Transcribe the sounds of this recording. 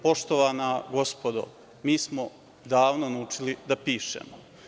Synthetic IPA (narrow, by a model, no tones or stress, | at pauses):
po̞ʃt̪oʋaːnaɡo̞spod̪o̰ʋ | miːsmo | d̪aːʋnonaut͡ʃilid̪apiːʃḛːmo